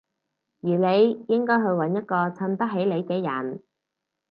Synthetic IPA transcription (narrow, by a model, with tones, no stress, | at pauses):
jyː˨˩le˨˧jjɪ˥ŋkɔː˥jɦɵ˨˧ɥwɐ˨˥njɐ˥t̚kɔː˧t͡sʰɐ˧nt̪ɐ˥k̚ɦe˨˥jle˨˧jkɛː˧jɐ˨˩n